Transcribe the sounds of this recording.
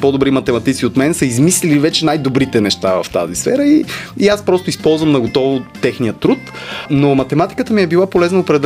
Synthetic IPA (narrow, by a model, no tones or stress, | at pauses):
pɔd̪obɾimɐt̪ɛmɐt̪it̪sʲiot̪mɛnsəizmislilivɛt͡ʃɛnajd̪obɾit̪ɛnɛʃt̪avɐ̰ft̪a̰zisfɛ̰ɾəiiaspɾɔst̪oʊispɔlˠzvəmnɐɡot̪ɔvoɛxnijət̪ɾut̪ | nomɐt̪ɛmat̪i̥kət̪əmiɛbilˠapolɛznɐopɾɛd̪ɛ